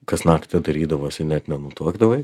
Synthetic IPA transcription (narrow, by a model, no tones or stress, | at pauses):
kɐsnɑːkt̪ʲɐd̪ɐɾʲiːd̪ɐʋoːsʲɪnʲɛt̪nʲɛnʊt̪uɔɡd̪ɐʋɐ